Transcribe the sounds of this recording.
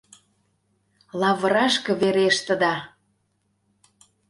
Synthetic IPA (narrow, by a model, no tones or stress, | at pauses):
lˠɑβə̆ɾɑʃkɤ̆βeɾeʃt̪ə̆d̪ɑ